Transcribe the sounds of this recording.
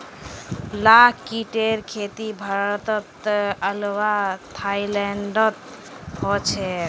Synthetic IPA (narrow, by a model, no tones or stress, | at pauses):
lakkiʈeɾkʰet̪ibʱaɾət̪ɔt̪əlwat̪ʰːailɛɳɖɔt̪̚ | ɦɔt͡ʃʰɛ